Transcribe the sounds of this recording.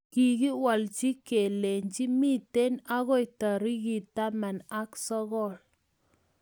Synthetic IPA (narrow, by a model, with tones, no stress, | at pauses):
ki˨ki˦wa˨lt͡ʃi˦ke˨le˨ɲt͡ʃi˦mi˦te˦na˦ɣɔ˦ɪ˨ta˨ɾi˦ki˨ta˦ma˨na˦ksɔ˦ɣɔ˦˨l